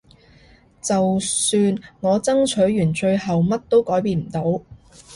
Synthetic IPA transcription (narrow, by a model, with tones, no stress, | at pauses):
t͡sɐ˨wsyː˧nŋɔː˨˧t͡sɐ˥ŋt͡ʃʰɵ˨˥ɥjyː˨˩nt͡ʃɵ˧ɥhɐ˨wmɐ˥t̚t̪o˥wkɔː˨˥jpiː˧nm̩˨˩t̪o˨˥w